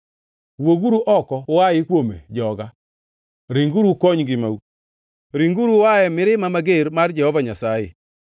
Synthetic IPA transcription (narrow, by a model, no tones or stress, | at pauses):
woɡuɾuʔɔkɔwajɪkwomḛd͡ʒɔɡa | ɾiŋɡuɾukoɲɡɪma̰u | ɾiŋɡuɾuwajɛmɪɾɪmamaɡeɾmard͡ʒɛhɔvaɲasajɪ̰